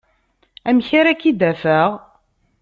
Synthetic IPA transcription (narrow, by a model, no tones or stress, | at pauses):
æmçaɾækːid̪æfæʁ